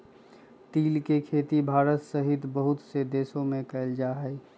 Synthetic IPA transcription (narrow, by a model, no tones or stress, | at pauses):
t̪iːlkekʰeːt̪ibʱaːɾət̪səɦɪt̪bəɦʊt̪sed̪eːsõmẽkɐld͡ʒaːɦɛ